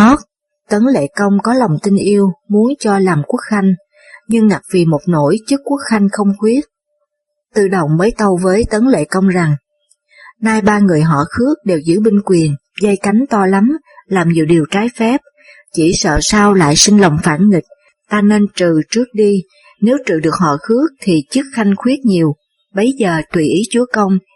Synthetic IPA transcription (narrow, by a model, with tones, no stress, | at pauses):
ɔ˦˥t̚ | t̪ə˨˦nlḛ˧˨kə˧wŋ͡mkɔ˨˦la˨˩wŋ͡mt̪ï˧ŋ̟ʔi˧əwmu˨˦ənt͡ɕɔ˧laː˨˩mku˦˥ək̚xa˧jŋ̟ | ɲɨ˧ŋːa˨˩k̚vi˨˩mo˨˩t̚no˧˩jt͡ɕɨ˦˥kːu˦˥ək̚xa˧jŋ̟xə˧wŋ͡mxwi˦˥ət̚ | t̪ɨ̰˧˨˩ɗə˨˩wŋ͡mmə˨˦jt̪ə˧wvəː˨˦jt̪ə˨˦nlḛ˧˨kə˧wŋ͡mza˨˩ŋ | naː˧jɓaː˧ŋɨ˨˩əjɦɔ̰˧˨xɨ˦˥ək̚ɗe˨˩wzɨ̰˧˥ɓi˧ŋkwi˨˩ən | zə˧jka˨˦jŋ̟t̪ɔ˧la˨˦m | laː˨˩mɲḭ˧˨˩ɗi˨˩əwt͡ɕaː˨˦jfɛ˦˥p̚ | t͡ɕi˧˩sə̰ː˧˨saː˧wla̰ː˧˨jsï˧ŋ̟lə˨˩wŋ͡mfaː˧˩nŋï˨˩k̟̚ | t̪aː˧ne˧nt͡ɕɨ˨˩t͡ɕɨ˦˥ək̚ɗi˧ | ne˨˦wt͡ɕɨ̰˧˨ɗɨ˨˩ək̚hɔ̰˧˨xɨ˨˦˥ək̚t̪ʰi˨˩t͡ɕɨ˦˥k̚xa˧jŋ̟xwi˦˥ət̚ɲi˨˩əw | ɓə˨˦jzəː˨˩t̪wi˧˨˩ʔi˨˦t͡ɕu˨˦əkə˧wŋ͡m